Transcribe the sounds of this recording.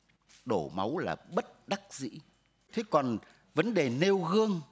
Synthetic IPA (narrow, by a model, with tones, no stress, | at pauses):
ɗo˧˩ma̰˨˦wlaː˨˩ɓə˦˥t̚ɗa˦˥k̚zḭ˧˥ | t̪ʰe˨˦kɔ˨˩n | və˨˦nɗe˨˩ne˧wɣɨ˧əŋ